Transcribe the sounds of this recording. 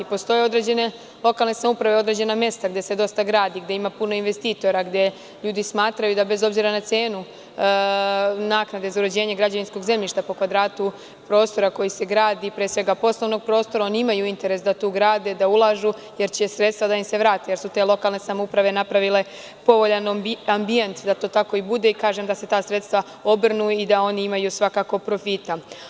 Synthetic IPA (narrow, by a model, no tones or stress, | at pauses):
ipo̞st̪o̞je̞o̞d̪ɾe̞d͡ʑe̞ne̞ | lˠo̞kalˠne̞samoupɾaʋe̞o̞d̪ɾe̞d͡ʑe̞namje̞st̪aɡd̪ese̞d̪o̞st̪aɡɾaːd̪iɡd̪eimapuno̞inʋe̞st̪iːt̪o̞ɾaɡd̪e̞ | ʎuːd̪ismaːt̪ɾajud̪abe̞zo̞bziɾanat̪se̞ːnu | naːknad̪e̞zauɾed͡ʑe̞ːɲeɡɾad͡ʑaʋinsko̞ɡze̞mʎiʃt̪apo̞kʋad̪ɾaːt̪u | pɾo̞ːst̪o̞ɾako̞jise̞ɡɾaːd̪ipɾeːsʋe̞ɡapo̞sloʋno̞ɡ̚pɾo̞ːst̪o̞ɾao̞niimajuint̪e̞ɾe̞sd̪at̪uːɡɾaːd̪e̞d̪aulˠaʒu | je̞ɾt͡ɕe̞sɾe̞t̪st̪ʋad̪aimse̞ʋɾaːt̪ejeɾsut̪e̞ːlˠo̞kalˠne̞samoupɾaʋe̞napɾaʋile̞ | po̞ʋo̞ʎanambije̞nt̪d̪at̪oːt̪ako̞ibud̪e̞ikaːʒe̞md̪ase̞t̪aːsɾet̪st̪ʋa | o̞br̩nuid̪ao̞niimajusʋakaːko̞pɾo̞fit̪a